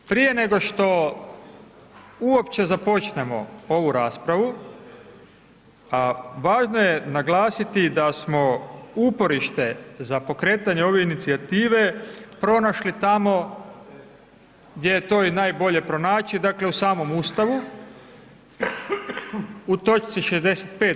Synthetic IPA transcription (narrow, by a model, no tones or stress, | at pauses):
pɾije̞ne̞ɡo̞ʃt̪o̞ | uopt͡ʃe̞zapo̞t͡ʃne̞mo̞̰o̞ʋuɾaːspɾaʋu | aʋaːʒno̞je̞naɡlaːsit̪id̪asmo̞upo̞ɾiʃt̪e̞zapo̞kɾe̞ːt̪aɲeo̞ʋeinit̪siat̪iːʋe̞pɾo̞naʃlit̪amo̞ | ɡd̪ʲje̞jet̪o̞ːinaːjbo̞ʎe̞pɾo̞naːt͡ʃid̪akle̞usaːmo̞muːst̪aʋu | ut̪o̞t͡ʃt̪siʃezd̪e̞set̪peː